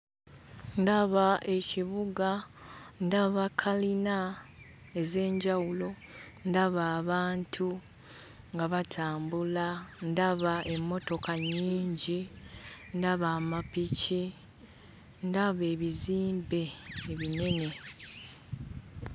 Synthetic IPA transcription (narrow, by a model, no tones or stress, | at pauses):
ndaβaʔe̞ciβuɡa | ndaβakʰːalina | e̞ze̞ːɲɟawulo̞ | ndaβaːβaːntʰu | ŋɡaβatʰaːmbulandaβaʔe̞mːo̞to̞kaɲːiːɲɟi | ndaβaːmapici | ndaβe̞ːβiziːmbe̞ːβine̞ne̞